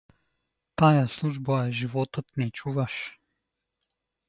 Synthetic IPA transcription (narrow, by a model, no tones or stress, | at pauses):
t̪ajaslˠuʒbaɛʒivɔt̪ət̪nɛt͡ʃuvaʃ